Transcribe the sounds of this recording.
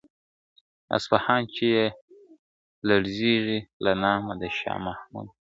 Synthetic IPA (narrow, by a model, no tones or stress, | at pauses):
a̰sfahɑːnt͡ʃeje | laɽziʒilanɑːmad̪əʃɑ̰ːmahmṵd̪̚